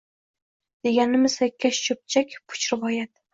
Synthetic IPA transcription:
d̪̥e̞ɡʲanɪmɪsakʲʰːaʃʃɵp̚t͡ʃʰakʲpʰʊ̥t͡ʃɾɪvɒjat̪

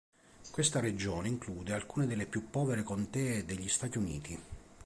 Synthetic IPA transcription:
kwest̪aɾed͡ʒoːneiŋkluːd̪ealkuːned̪elːepjupːɔːveɾekont̪ɛːed̪eʎːist̪aːt̪iunḭːt̪i

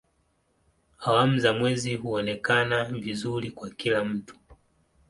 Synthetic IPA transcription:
awamuzamwɛzihuɔnɛkanavizuɾikwakilam̩tu̥

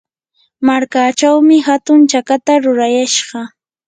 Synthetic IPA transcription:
maɾkaːt͡ʃawmɪhat̪ʊnt͡ʃakat̪aɾʊɾajaʃɢɑ

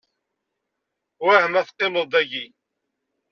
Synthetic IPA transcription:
wæhəmæθqːelod̪ˤæʝi

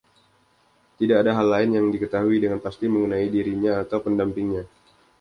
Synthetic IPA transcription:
t̪idaːdaɦalːaɪnjaŋdikət̪aɦuidəŋanpast̪iməŋənaidiɾiɲaːt̪awpəndampɪŋɲa

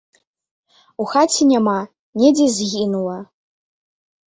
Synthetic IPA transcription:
uxatʰinʲama | nʲedʲezɣʲinwɐ

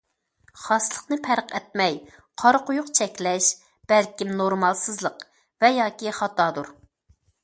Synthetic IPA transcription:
χɑslˠəqnɨpʰæɾqɛt̪̚mɛj | qʰɑɾqʊjʊqt͡ʃʰɛkʲlɛʃ | b̥ɛlkʲimnoɾmɑlˠsɨzlˠəq | vɛjɑːkʲiχɑt̪ɑːd̪uɾ

